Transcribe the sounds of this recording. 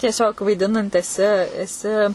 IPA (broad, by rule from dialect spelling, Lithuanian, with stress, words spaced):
tʲiɛˈsʲoːk ʋɐɪˈdʲɪnɐnt ɛˈsʲɪ ɛˈsʲɪ